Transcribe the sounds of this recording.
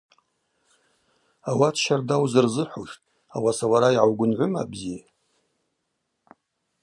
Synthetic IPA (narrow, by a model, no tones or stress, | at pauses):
awatʰʃardawzɨrzɨħʷuʃtʼ | awasawaɾaiʕawɡʷʊnʕʷʊma̰bzija